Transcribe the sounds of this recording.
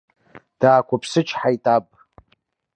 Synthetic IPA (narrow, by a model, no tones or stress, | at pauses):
d̥aːkʷʰapʰsɨt͡ʃʰħajtʼabʼ